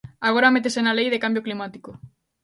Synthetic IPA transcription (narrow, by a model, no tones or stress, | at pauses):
aɣ̞oɾamet̪̬esenalejðekambjoklimat̪iko